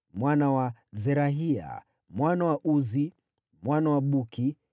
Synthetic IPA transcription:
mwanawazɛɾaɦia̰ | mwanawaʔuzi | mwanawaɓuki

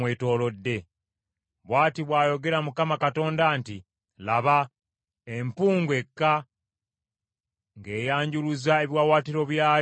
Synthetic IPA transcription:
weto̞ːlo̞dːe̞ | βwaːtiβwaːjo̞ɡe̞ɾamukamakato̞ːndanti | laβa | empuːŋɡwe̞kːa | ŋɡe̞ːjaːɲɟuluzae̞βjwaːwaːtiɾo̞βjaː

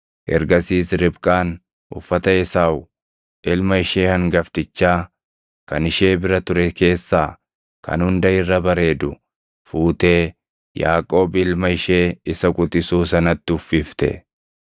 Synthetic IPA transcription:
ʔɛ̰ɾɡɐsiːsɾɪbkʼaːn | ʔʊ̰fːɐt̪ɐɛsaːʊ | ʔɪlmɐɪʃe̞ːhɐŋɡɐft̪ɪt͡ʃːaː | kɐnɪʃe̞ːbɪɾɐt̪ʊɾɛke̞ːsːaː | kʰɐ̰nhʊnd̪ɐɪrːɐbɐɾe̞ːd̪ʊ | fuːt̪e̞ː | ja̰ːkʼo̞ːbɪlmɐɪʃe̞ːɪsɐkʼʊt̪ʼɪsuːsɐnɐt̪ːɪʊfːɪft̪ɛ̰

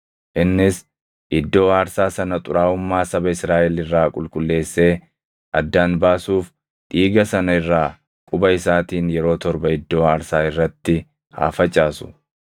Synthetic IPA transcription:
ʔɪnːɪs | ʔɪd̪ːo̞ːaːɾsaːsɐnɐt̪ʼʊɾaːʊmːaːsɐbɐɪsɾaːʔɛlɪrːaːkʼʊlkʼʊlːe̞ːsːe̞ː | ʔɐd̪ːaːnbaːsuːf | ᶑ̪iːɡɐsɐnɐɪrːaː | kʼʊbɐɪsaːt̪iːnjɛɾo̞ːt̪ɔɾbɐɪd̪ːo̞ːaːɾsaːɪrːɐt̪ːɪ | ha̰ːfɐt͡ʃʼːaːsʊ̥̰

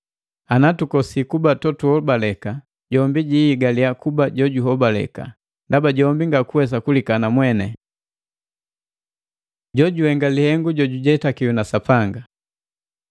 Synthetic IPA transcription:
anatukɔsikubatɔtuhɔbalɛka | ɟɔmbiɟiiɡaliakubaɟɔɟuɦɔbalɛ̰ka̰ | ndabaɟɔmbiŋɡakuwɛs̬akulikanamwɛnɛ | ɟɔɟuhɛŋɡalihɛŋɡuɟɔɟuɟɛtakiunasapaŋɡa

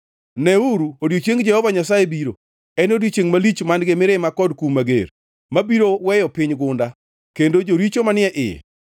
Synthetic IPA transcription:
nɛuɾuodjot͡ʃjeŋɡd͡ʒɛhɔvaɲasajebiɾo | ɛnodjot͡ʃeŋmalit͡ʃmandɡɪmɪɾɪmakɔdkumaɡḛɾ | mabiɾowɛjɔpɪɲɡʊnda | kendod͡ʒoɾit͡ʃomanɪɛʔɪ̰

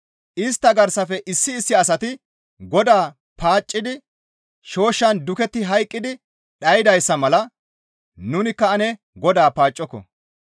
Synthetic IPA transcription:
ʔɪst̪ːɐɡɐɾsɐfɛʔɪsːɪːsːɪɐsɐt̪ɪ | ɡɔd̪aː | paːt͡ʃʼːɪd̪ɪ | ʃo̞ːʃːɐnd̪ʊkɛt̪ːɪɦɐjkʼːɪd̪ɪ | ɗɐjɪd̪ɐjsːɐmɐlɐ | nʊnɪkːɐɐnɛ | ɡɔd̪aːpaːt͡ʃʼːɔkːɔ̰

